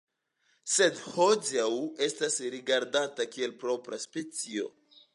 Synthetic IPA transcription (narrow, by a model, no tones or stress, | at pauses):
se̞dhod͡ʒawe̞stasɾiɡaɾdatakie̞lpɾo̞pɾaspe̞t͡sio̞̰